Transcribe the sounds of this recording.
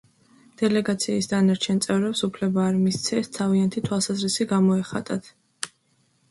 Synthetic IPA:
d̪̥ɛlɛɡat̪sʰiːsd̪anaɾt͡ʃʰɛnt̪sʼɛvɾɛpsupʰlɛbaːɾmist̪sʰɛst̪ʰaviant̪ʰit̪ʰwalˠsazɾisiɡamɔɛχa̰t̪ʼat̪ʰ

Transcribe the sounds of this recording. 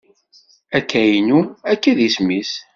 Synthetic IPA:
ækːæjinuækːæðismis

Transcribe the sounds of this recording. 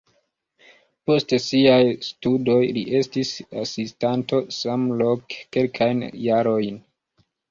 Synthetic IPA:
po̞stesiajstudo̞jliʔe̞stisasistanto̞samlokːelkʰajnjaɾo̞jn

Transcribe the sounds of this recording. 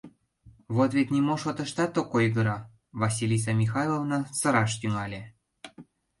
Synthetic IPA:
βot̪vet̪ʲnʲimoʃot̪ə̆ʃt̪ɑt̪okojɡə̆ɾɑ | vɑsʲilʲis̬ɑmʲixɑjlˠovnɑsɤ̆ɾɑʃt̪yŋɑlʲe

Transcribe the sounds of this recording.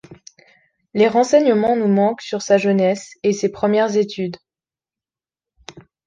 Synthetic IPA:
leʁɑ̃sɛɲəmɑ̃numɑ̃ksyʁsaʒənɛsesepχəmjɛʁzet̪ʰyd̪

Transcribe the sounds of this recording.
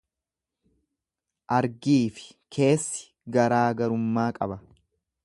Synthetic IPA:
ʔɐɾɡiːfɪ̥ | kʰe̞ːsːɪ̥ | ɡɐɾaːɡɐɾʊmːaːkʼɐ̰bɐ

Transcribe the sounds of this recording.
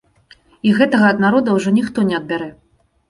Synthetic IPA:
iɣɛt̪ɐɣɐːd̪naɾɔd̪ɐwʐɔnʲixt̪ɔnʲɛɐd̪̚bʲaɾɛ

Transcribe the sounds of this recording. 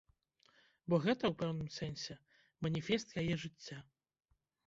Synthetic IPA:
bɔɣɛt̪ɐwpɛwnɨmsɛnʲsʲɛ | mɐnʲifʲɛst̪jajɛʐɨt͡sʲːa

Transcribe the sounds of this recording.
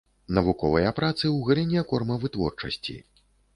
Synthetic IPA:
nɐvukɔvɐjɐpɾat̪sɨwɣɐlʲinʲɛkɔrmɐvɨt̪vɔrt͡ʂɐ̰sʲt͡sʲḭ

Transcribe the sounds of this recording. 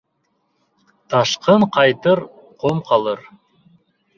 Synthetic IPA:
t̪ʰɑʃqəɴqʰɑjt̪əɾ | qʰomqʰɑlˠɤɾ

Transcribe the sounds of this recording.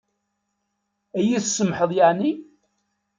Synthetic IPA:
æjiθsːəmħəðˤjaʕni

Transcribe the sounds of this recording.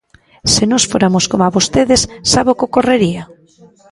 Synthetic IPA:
senɔsfoɾamoskomaβost̪eðɪsːaβokokoreɾia

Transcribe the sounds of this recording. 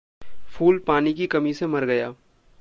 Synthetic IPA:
fʰuːlpaːnikikɐmisemɐɾɡɐjaː

